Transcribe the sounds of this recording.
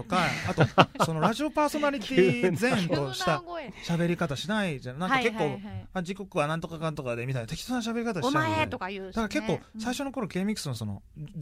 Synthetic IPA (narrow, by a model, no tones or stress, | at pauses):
okaat̪oso̞no̞ɾaʑio̞paːso̞naɾʲitt̪ʲiːzẽ̞nt̪o̞ɕi̥t̪aɕabe̞ɾʲikat̪aɕinaid͡ʑannãkake̞kːo̞ːad͡ʑiko̞kɯ̟βanãnt̪o̞kakãnt̪o̞kad̪e̞mit̪aɲat̪e̞kʲi̥t̪osanãɕ̬abe̞ɾʲikat̪aɕiaet̪okad̪akaɾake̞kːo̞ːsaiɕo̞no̞ko̞ɾo̞ke̞mʲikːɯ̥sɨnoso̞no̰